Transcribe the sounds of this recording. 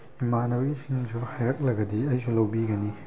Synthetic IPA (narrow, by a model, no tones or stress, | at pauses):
imanɐwisʰiŋsuhajɾɐk̚lɐɡɐdiɐjsulɐwbiɡɐni